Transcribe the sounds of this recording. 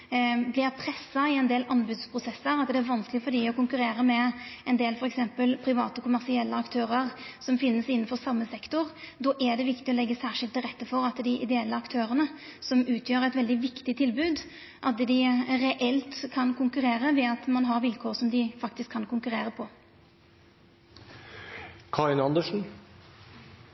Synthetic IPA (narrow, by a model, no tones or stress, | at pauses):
blɪɾpʰɾɛsːɑɪɛnd̪eːlʔɑnbʉːd̪spʰɾʊsɛsəɾɑt̪d̪ɛæɾʋɑnsklɪfɔd̪ɪɔkʊŋkʉɾeːɾəmɛɛnd̪eːlfɔɾɛksɛmpəlpʰɾɪʋɑ̰ːt̪əɔkʰʊmæɾsɪɛlːəɑkt̪ʰøːɾəɾsɔmfɪnːəsɪnːn̩fɔɾsɑmːəsɛkt̪ʊɾd̪ɔʔɛd̪ɛʋɪkt̪ɪɔlɛɡːəsæːɾʂɪlt̪ːɪlɾɛt̪ːəfɔɾɑt̪d̪ɪʔɪd̪ɛɛlːəɑkt̪ʰøːɾənəsɔmʉːt̪ʰjøːɾæɪt̪ʋɛld̪ɪʋɪkt̪ɪt̪ʰɪlbʉːd̪ | ʔɑt̪̚d̪ɪɾɛʔɛlt̪kʰɑnkʰʊŋkʉɾeːɾəʋɛɑt̪mɑnɦɑɾʋɪlkʰoːʁsɔmd̪ɪfɑkt̪ɪskʰːɑnkʊŋkʉɾeːɾəpʰɔ | kʰɑɪnɑnd̪əʂn̩